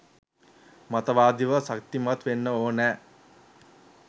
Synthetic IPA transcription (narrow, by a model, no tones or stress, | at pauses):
mat̪əʋaːd̪iʋəsak̚t̪imat̪ʋenːəoːnɛː